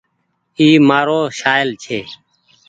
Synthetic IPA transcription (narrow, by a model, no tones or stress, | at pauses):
iːmaːɾoːʃaːjlt͡ʃʰeː